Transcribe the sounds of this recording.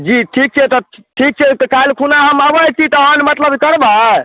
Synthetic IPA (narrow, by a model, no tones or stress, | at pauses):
d͡ʒiʈʰik̚t͡ʃʰɛt̪ɔʈʰik̚t͡ʃʰɛt̪kalkʰunaɦəməbəjt͡ʃʰit̪ɔɦənmət̪ləbkəɾba